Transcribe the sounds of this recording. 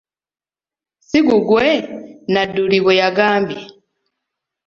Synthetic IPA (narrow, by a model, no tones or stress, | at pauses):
siɡuɡwenaduliɡwejaɡaːmbji